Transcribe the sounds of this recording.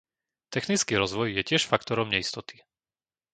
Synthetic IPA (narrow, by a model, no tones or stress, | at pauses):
t̪ɛxnit͡skiːɾɔzʋɔjjɛcɪɛʃfakt̪ɔɾɔmɲɛist̪ɔt̪i̥